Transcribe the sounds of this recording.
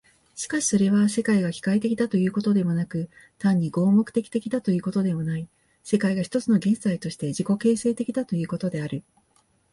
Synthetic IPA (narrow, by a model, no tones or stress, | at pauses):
ɕi̥kaɕi̥so̞ɾe̞βase̞kaiɡakʲi̥kait̪e̞kʲid̪at̪o̞jɯ̟ːko̞t̪o̞d̪e̞mo̞nakɯ̟ | t̪ãɲ̟ːiɡo̞ːmo̞kɯ̟̥t̪e̞kʲi̥t̪e̞kʲid̪at̪o̞jɯ̟ːko̞t̪o̞d̪e̞mo̞nai | se̞kaiɡaçi̥t̪o̞t͡sɨno̞ɡẽ̞ɰ̃zait̪o̞ɕi̥t̪e̞ʑiko̞ke̞ːse̞ːt̪e̞kʲid̪at̪o̞jɯ̟ːko̞t̪o̞d̪e̞aɾɯ̟